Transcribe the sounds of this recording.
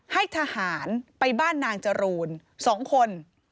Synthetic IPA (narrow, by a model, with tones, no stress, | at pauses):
ha˥˩jt̪ʰaː˧haː˩˦npa˧jbaː˥˩nːaː˧ŋt͡ɕa˧ɾuː˧nsɔː˩˦ŋkʰo˧n